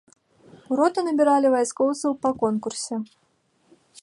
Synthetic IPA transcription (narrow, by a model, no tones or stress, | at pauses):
uɾɔt̪ɨnɐbʲiɾalʲivajskɔwt̪sɐwpɐkɔnkursʲɛ